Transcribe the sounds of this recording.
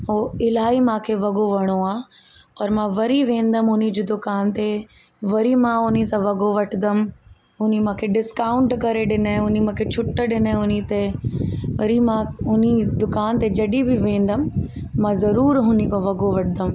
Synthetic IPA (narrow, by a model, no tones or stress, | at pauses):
ɦoːɪlaːimãːkʰeʋɐɡoʋɐɽ̃oaː | ɐɾmãʋɐɾiʋẽːn̆d̪əmʊnid͡ʑeːd̪ʊkaːnt̪e | ʋɐɾimãʊnisãʋɐɡoʋɐʈʰd̪əm | ɦʊnimãːkʰeɖɪskaːʊ̃ɳʈkɐɾeɗɪnəʊnimãːkʰet͡ɕʰʊʈːəɗɪnəʊnit̪e | ʋɐɾimãʊnid̪ʊkaːnt̪ed͡ʑɐɗibɪʋẽːn̆d̪əm̆ː | ãzɐɾuːɾɦʊnikõʋɐɡoʋɐʈʰɪd̪əm